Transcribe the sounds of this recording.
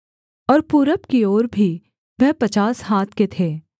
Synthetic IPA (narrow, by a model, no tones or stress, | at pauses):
ɔːɾpuːɾəpkioːɾbʱi | ʋɛɦpɐt͡ʃaːshaːt̪ʰket̪ʰeː